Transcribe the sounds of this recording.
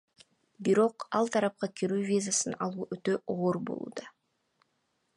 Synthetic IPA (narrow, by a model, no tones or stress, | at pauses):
biɾo̞qɑlˠt̪ʰɑɾɑp̚qɑkʲʰiɾyːvʲizasɯnɑlˠuːʔøt̪ø̞oːɾbo̰lˠṵːd̪ɑ